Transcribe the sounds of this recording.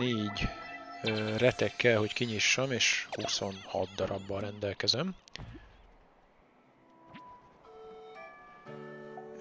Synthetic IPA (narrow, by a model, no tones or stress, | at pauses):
eːɟ | rɛt̪ɛkːɛlɦo̞ckiɲiʃːɒmeːʃhuso̞nhɒ̰t̪̚d̪ɒɾɒbːɒɾɛnd̪ɛlkɛzɛm